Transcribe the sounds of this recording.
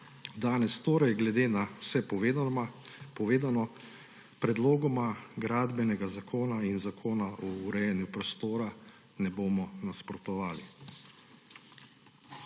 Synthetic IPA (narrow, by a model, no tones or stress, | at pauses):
d̪aːnɛst̪oːɾɛjɡlɛd̪eːnawsɛpː | ɔʋeːd̪anɔ | pɾɛd̪loːɡɔmaɡɾaːd̪bɛnɛɡazakʰoːnainzakʰoːnaʔɔuɾɛjɛnjupɾɔst̪oːɾa | nɛboːmɔnaspɾɔt̪ɔʋaːli